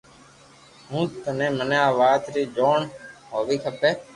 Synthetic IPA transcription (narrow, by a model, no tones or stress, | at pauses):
ɦũːt̪ənẽːməneːaːʋaːt̪ɾiːd͡ʒoːɳɦoːʋiːkʰəpeː